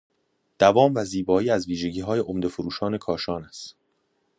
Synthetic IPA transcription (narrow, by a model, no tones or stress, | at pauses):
d̪̥ævɒːmvæziːbɒːiːæzviːʒe̞ɟiːɦɒːje̞ʔomd̪e̞foɾuːʃɒːne̞kʰɒːʃɒːnæst̪